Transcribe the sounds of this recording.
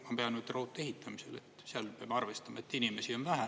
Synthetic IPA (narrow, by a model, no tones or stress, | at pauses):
ɑmpeɑnut̪ːrout̪ːˑe̞ɦit̪ːˑɑmisele̞t̪ːseɑlpeɑ̰mːɑrvest̪ɑmɑe̞t̪ːinimesio̞nvæɦæ